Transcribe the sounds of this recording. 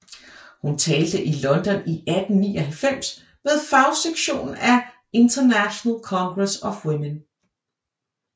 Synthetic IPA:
hunt͡sʰɛːld̥əʔilɒ̽nd̥ɒ̽niʔæd̥n̩ːḭːɒɦælfem̰s | með̞ˠfɑ̈ʊseɡ̥ɕo̝̰ːn̩æ | e̝nt͡sʰɐnæɕonəlkʰɒ̽ŋɡ̥ʁɛsɒ̽fwemen

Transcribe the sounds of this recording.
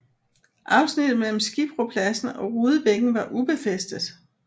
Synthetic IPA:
ʔɑ̈ʊsnid̥ð̩ˠmel̰m̩sɡ̥ib̥ʁo̝pʰlæsn̩ɒ̽ʁuːðˠəb̥eɡ̥n̩ʋɑ̈ʔub̥e̝fesd̥ð̩ˠ

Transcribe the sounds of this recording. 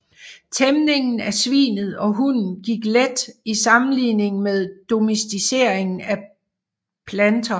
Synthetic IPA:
t͡sʰemne̝ŋn̩æɐsʋḭːnð̞̩ˠɒ̽ɦun̩ɡ̥iɡ̥led̥isɑ̈mn̩lḭːne̝ŋmeðˠd̥o̝mesd̥ise̝̰ɐ̰e̝ŋn̩æ | pʰlænt͡sʰɐ

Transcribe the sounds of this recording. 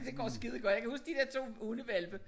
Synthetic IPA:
d̥e̝ɡ̥ɒ̰ːsɡ̥iðˠɡ̥ɒ̥̽jɑɪkʰæhusɡ̥d̥id̥e̝ɐt͡sʰo̝̰ːunəʋelb̥ə

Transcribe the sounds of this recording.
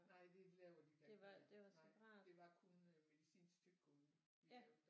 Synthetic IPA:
nɑɪ̰d̥e̝lɛːʊɐd̥iɡ̥deʋɑd̥e̝ʋɑ̈sɒ̰bʁɑ̰̥̈ːd̥e̝ʋɑ̈kʰonme̝ðisḭːnsd̥ʰyɡ̥̚kʰɔn | id̥

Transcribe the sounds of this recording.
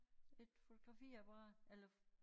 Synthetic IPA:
e̝d̥fo̝t͡sʰo̝ɡ̥ʁɑ̈fḭːæb̥ɑʁɑ̈ːelɐ

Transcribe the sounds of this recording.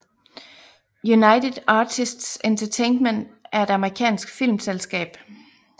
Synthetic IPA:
junɑ̈ɪded̥ɑːt͡sʰisd̥sent͡sʰɐt͡sʰenmend̥æɐe̝d̥ɑ̈məʁikʰɛ̰ːnsɡ̥fil̰mselsɡ̥ɛ̰ːb̥

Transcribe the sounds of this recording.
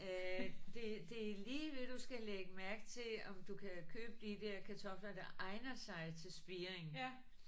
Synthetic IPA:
d̥e̝d̥e̝liːʋe̝d̥usɡ̥æleɡ̥əmæɐɡ̥̚t͡sʰe̝lɒ̽md̥ukʰækʰøːb̥əd̥id̥eɐkʰæt͡sʰɒ̽flɐd̥ɑʔɑ̈ɪnɐsɑ̈ɪt͡sʰe̝lsb̥iːeŋ

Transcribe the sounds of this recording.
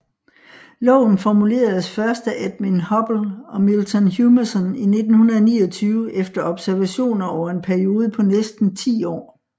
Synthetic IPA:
lɔ̽ʊn̩fɒmule̝̰ːɐð̩ˠsfɶɐsd̥æʔæd̥̚minhɒ̽b̥l̩ɒ̽milt͡sʰɒnɦjumɐsɔnine̝d̥n̩hunɐðˠnḭːɒt͡sʰyːʊəʔefd̥ɐɒ̽b̥sæɐʋæɕo̝̰ːnɐɒʊɐe̝npʰæɐio̝ːð̞ˠəpʰɒ̽nesd̥n̩t͡sʰḭːɒ̰ː

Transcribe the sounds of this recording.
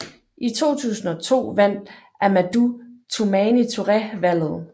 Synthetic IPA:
ʔit͡sʰo̝̰ːt͡sʰṵːsn̩ɒ̽t͡sʰo̝̰ːʋæn̰d̥ | æɐmæd̥ut͡sʰomɛːnit͡sʰo̝ʁɛʋæl̰ð̩ˠ

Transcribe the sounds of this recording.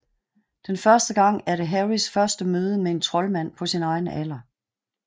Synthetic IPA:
d̥enfɶɐsd̥əɡ̥ɑ̈ŋ̰æɐɾəɦæʁisfɶɐsd̥əmøːð̞ˠəmee̝nt͡sʰʁɒ̽lmæn̰pʰɒ̽sinɑ̈ɪnəʔæl̰ɐ

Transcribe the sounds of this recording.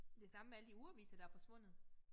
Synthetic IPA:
d̥e̝sɑ̈məmeæləd̥iuæʋḭːsɐd̥ɑ̈æɐfɒ̽sʋɔ̽n̰ð̩ˠ

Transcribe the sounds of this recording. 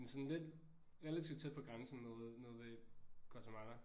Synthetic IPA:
ensɔ̽nle̝d̥ | ʁɛlæt͡sʰiʊd̥t͡sʰe̝d̥̚pʰɒ̽ɡ̥ʁansn̩ɔːðˠnɔːð̩ˠʋeɡ̥ɒt͡sʰæmɑnɐ

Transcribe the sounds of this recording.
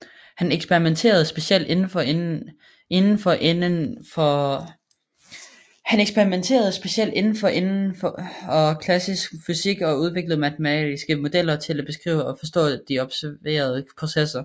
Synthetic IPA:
hæneɡ̥sb̥eʁiment͡sʰe̝̰ːɐð̞̩ˠsb̥e̝sel̰d̥e̝nn̩fɒe | e̝nn̩fɒ̽ʔenfɒ | hæneɡ̥sb̥eʁiment͡sʰe̝̰ːɐð̞ˠsb̥e̝ɕel̰d̥e̝nn̩fɒ̽ʔe̝nn̩fɒɒ̽kʰlæsisɡ̥fysiɡ̥ɒ̽uð̞ˠʋe̝ɡ̥lð̩ˠmæt͡sʰemɛ̰d̥isɡ̥əmo̝d̥el̰ɐt͡sʰe̝læb̥e̝sɡ̥ʁḭːʊɒ̽fɒ̽s̬d̥ɔ̰̽ːd̥iɒ̽b̥sæɐʋe̝̰ːɐð̞ˠəpʰʁo̝sesɐ

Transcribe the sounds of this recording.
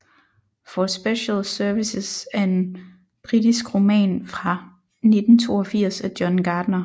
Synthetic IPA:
fɒsb̥eɕəlsœɐʋisəsæɐe̝n | b̥ʁid̥isɡ̥ʁo̝mɛ̰ːnfʁɑ̈ | ne̝d̥n̩t͡sʰo̝̰ːɒfiɐ̰sæd̥jɒnɡ̥ɑ̈ːd̥nɐ

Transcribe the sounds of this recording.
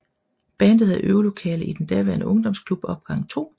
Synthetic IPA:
b̥ænd̥ð̩ˠhæʔøːlo̝kʰɛ̰ːləid̥end̥ɛɐʋæɐnəʔɔ̽ŋd̥ɒ̽mskʰlub̥ɒ̽b̥ɡ̥ɑ̈ŋ̰t͡sʰo̝̰ː

